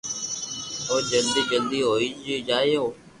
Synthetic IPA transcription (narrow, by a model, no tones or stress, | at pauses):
oːd͡ʒəld̪iːd͡ʒəld̪iːɦoːiːd͡ʒiːd͡ʒaːɪjoː